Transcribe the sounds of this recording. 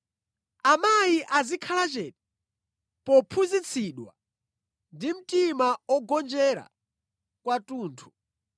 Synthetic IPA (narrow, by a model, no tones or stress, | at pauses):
amajiʔazikʰalat͡ʃɛːta | pɔpʰuzit͡sʰiɗwa̰ | ndim̩timaɔɡɔnd͡ʒɛɾa̰ | kwatuːntʰu̥